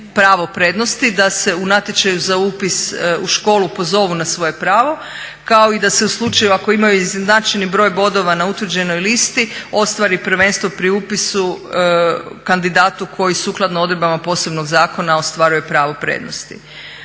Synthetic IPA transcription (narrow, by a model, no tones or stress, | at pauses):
pɾaːʋo̞pɾe̞d̪no̞st̪id̪ase̞unat̪je̞t͡ʃajuzauːpisuʃko̞ːlupo̞zo̞ʋunasʋo̞je̞pɾaːʋo̞ | kao̞id̪ase̞uslˠut͡ʃajuako̞imajuiznznat͡ʃenibɾo̞ːjbo̞d̪o̞ʋanaut̪ʋrd͡ʑe̞nojlist̪io̞st̪ʋaɾipɾ̩ʋe̞ːnst̪ʋo̞pɾiupisu | kand̪id̪aːt̪ukʰo̞jisuklˠad̪noo̞d̪ɾebamapo̞ːse̞bno̞ɡzaːko̞nao̞st̪ʋaɾuje̞pɾaːʋo̞pɾḛːd̪nost̪ḭ